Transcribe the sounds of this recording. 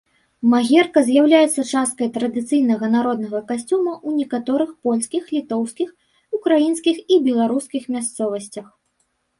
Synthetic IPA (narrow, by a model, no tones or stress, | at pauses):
maɣʲɛrkɐzʲjawlʲajɛt̪sɐt͡ʂast̪̚kɐjt̪ɾɐd̪ɨt̪sɨjnɐɣɐnaɾɔd̪̚nɐɣɐkasʲt͡sʲumɐʔunʲɛkat̪ɔɾɨxpɔlʲskʲixlʲit̪ɔwskʲix | ukɾajinskʲixibʲɛlˠaɾuskʲixmʲast̪sɔvɐsʲt͡sʲɐx